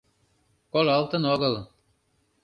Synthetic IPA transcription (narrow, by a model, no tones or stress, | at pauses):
kolɑlˠt̪ənoɣɤlˠ